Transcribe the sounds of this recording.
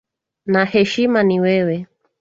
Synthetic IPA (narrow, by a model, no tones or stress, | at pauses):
nahɛʃimaniwɛwɛ